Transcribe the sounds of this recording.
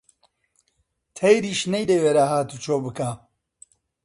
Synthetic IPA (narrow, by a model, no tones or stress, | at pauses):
t̪ʰɐjɾiːʃnɐjd̪ɐweːɾaːɦaːt̪uːt͡ʃʰoːbɨkaː